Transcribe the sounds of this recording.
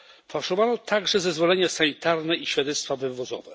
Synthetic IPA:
fawʂɔvanɔt̪ʰaɡʐɛzɛzvɔlɛɲasaɲit̪aɾnɛʔiɕfʲjad̪ɛt̪st̪favɘvɔzɔ̰vɛ

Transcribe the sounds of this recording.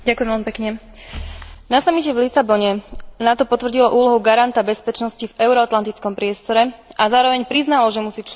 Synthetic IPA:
ɟakʊjɛmʋɛlmipɛkɲɛ | nasamicɛvlisabɔɲɛnat̪ɔpɔt̪ʋr̩ɟilɔʔuːlɔɦuɡaɾant̪abɛspɛt͡ʃnɔscivɛʊɾɔat̪lant̪it͡skɔmpɾɪɛst̪ɔɾɛʔazaːɾɔʋɛɲpɾiznalɔʒɛmusiːt͡ʃ

